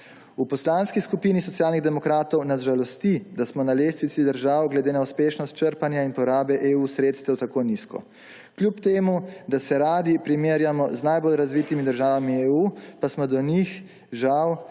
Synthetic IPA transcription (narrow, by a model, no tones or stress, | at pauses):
upɔslaːnskiskupiːnisɔt̪sjaːlniɣd̪ɛmɔkɾaːt̪ɔwnazʒalɔst̪id̪asmɔnaleːst̪ʋit̪sid̪əɾʒawɡlɛd̪eːnauspeːʃnɔst̪̚t͡ʃəɾpanjainpɔɾaːbɛʔeusɾeːt̪st̪ɛwt̪akoːniskɔ̰ | klʲjupt̪eːmud̪asɛɾaːd̪ipɾimeːɾjamɔznajbolɾazʋiːt̪imid̪əɾʒaːʋamieuːpasmɔd̪ɔnix | ʒaw